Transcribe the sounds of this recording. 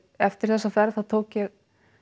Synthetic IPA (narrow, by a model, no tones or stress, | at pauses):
ɛft̪ɪɾ̥θɛsːafɛɾðθaðt̪ʰoːwcjɛɣ